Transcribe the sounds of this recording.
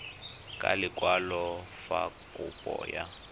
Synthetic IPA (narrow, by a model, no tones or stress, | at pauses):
kʼalɪkʼwalɔ | fakʼupʼɔ̰ːja